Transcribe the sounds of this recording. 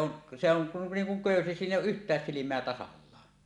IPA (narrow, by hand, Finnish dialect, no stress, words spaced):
on se oŋ ku niːŋ kuŋ køˑysi siːn ʔeˑijˑ oːʔ ʔyhtˑæːs silimˑeæ tɑsɑlːɑː